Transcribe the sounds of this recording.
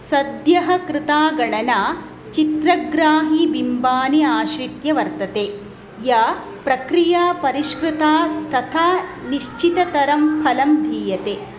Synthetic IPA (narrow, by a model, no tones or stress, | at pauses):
sɐd̪jɐɦɐ̆kɾɪt̪aːɡɐɳɐnaː | t͡ʃit̪ɾɐɡɾaːɦibimbaːniaːʃɾit̪jɐʋɐɾt̪ɐt̪eː | jɐ | pɾɐkɾijaːpɐɾiʃkɾɪt̪aːt̪ɐt̪ʰaːniʃt͡ʃit̪ɐt̪ɐɾɐmpʰɐlɐmd̪ʱiːjɐt̪eː